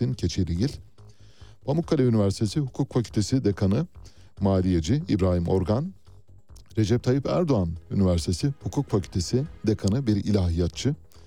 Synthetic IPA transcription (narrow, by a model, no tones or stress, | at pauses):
incʰe̞t͡ʃʰelʲiɟilʲ | b̥amukʰːalʲaynivæɾsi̥t̪ʰe̞sihukʰukfacʰylʲt̪ʰe̞sid̪ekʰanɯ | maːlʲijed͡ʒiibɾaːhimo̞̰ɾɡan | ɾe̞d͡ʒɛp̚t̪ʰajipæɾd̪oanynivæɾsit̪ʰesihukʰukfacʰylʲt̪ʰe̞sid̪ekʰanɯbiɾḭlʲaːɦijat̪̚t͡ʃʰɯ